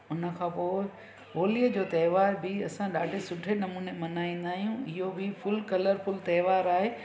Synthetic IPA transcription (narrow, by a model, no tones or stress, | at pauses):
ʊnə̆kʰãːpoːɪ | ɦoːlijəd͡ʑoːt̪ɐːʋaːɾbʱɪɐsãɗaːɖʱesʊʈʰenɐmuːnemɐnaːĩːnd̪aːɦijũɪɦobɪfʊlkɐləɾfʊlt̪ɐːʋaːɾaːɦeː